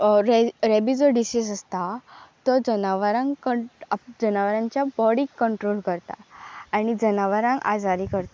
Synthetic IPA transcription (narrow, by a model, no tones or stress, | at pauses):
ɾɛɾɛbid͡zɔɖisisəst̪at̪ɔd͡zənaʋəɾãŋkəd͡zənaʋəɾãɲt͡ɕjabɔɽikːəɳʈɾolkəɾt̪a̰aɽ̃id͡zənaʋəɾãŋka̰d͡zaɾikəɾt̪a